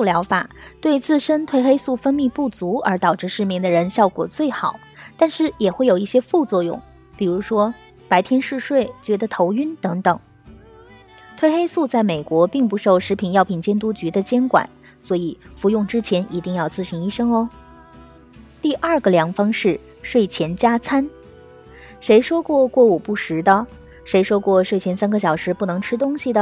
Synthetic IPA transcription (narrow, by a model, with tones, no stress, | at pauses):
u˥˩ljɑ˧˥ʊfa˨˩t̪we˥˧ɪt͡sɹ̩˥˩ʂə˥nt̪ʰwe˥˧ɪxe˥ɪsu˥˩fə˥nmi˥˧pu˥˩t͡su˧˥ə˞˧˥t̪ɑ˨˩ʊʈ͡ʂɻ̩˥˧ʂɻ̩˥˧mjɛ˥˩ŋd̪ə˩ɻə˧˥nɕjɑ˥˩ʊkwɔ̰˨˩t͡swe˥˩ɪxɑ˨˩˦ʊt̪a˥˧nʂɻ̩˥˩jɛ˨˩xwe˥˩jo˨˩ʊi˥˩ɕjɛ˥fu˥˧t͡swɔ˥˧jʊ̰˥˩ŋ | pi˨˩ɻu˧˥ʂwɔ˥ | pa˧˥ɪt̪ʰjɛ˥nʂɻ̩˥˧ʂwe˥˩ɪt͡ɕɥɛ˧˥d̪ə˧t̪ʰo˧˥ʊy˥nt̪ɤ˧˥ŋt̪ɤ˨˩˦ŋ | t̪ʰwe˥˩ɪxe˥ɪsu˥˧t͡sa˥˩ɪme˨˩ɪkwɔ˧˥pi˥˩ŋp̬u˧˥ʂo˥˩ʊʂɻ̩˧˥pʰi˨˩njɑ˥˩ʊpʰi˨˩nt͡ɕjɛ˥nt̪u˥t͡ɕy˧˥d̪ə˧t͡ɕjɛ˥nkwa̰˨˩˦n | swɔ˧˥i˨˩fu˧˥jʊ˥˩ŋʈ͡ʂɻ̩˥t͡ɕʰjɛ˧˥nʔi˧˥t̪i˥˧ŋjɑ˥˧ʊt͡sɹ̩˥˩ɕy˧˥ni˥˧ʂɤ˥ŋɔ˧ | t̪i˥˧ʔɐ˞˥˩ɡə˩ljɑ˧˥ŋfɑ˥ŋʂɻ̩˥˩ | ʂwe˥˩ɪt͡ɕʰjɛ˧˥nt͡ɕja˥t͡sʰa˥n | ʂe˧˥ɪʂwɔ˥kwɔ˥˧kwɔ˥˩u˨˩pu˥˩ʂɻ̩˧˥d̪ə˧ | ʂe˧˥ɪʂwɔ˥kwɔ˥˧˩ʂwe˥˩ɪt͡ɕʰjɛ˧˥nsa˥nɡə˨ɕ̬jɑ˨˩ʊʂɻ̩˧˥pu˥˩nɤ˧˥ŋʈ͡ʂʰɻ̩˥t̪̬ʊ˥ŋɕi˨d̪ə˩